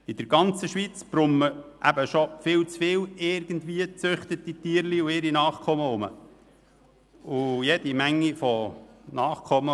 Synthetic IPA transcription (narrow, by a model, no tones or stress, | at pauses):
ɪd̥̪əɾɡɑnt͡səʃʋit͡sb̥ɾʊmːəʔæbəʃofɪːlt͡sfɪːlɪɾɡənd̪ʋiət͡sʏχt̪ət̪it̪iːəɾliʊɪɾinɑːχkʰɔməʊmə̰ | ʊjɛd̥̪imæŋːifɔnɑːχkʰɔmə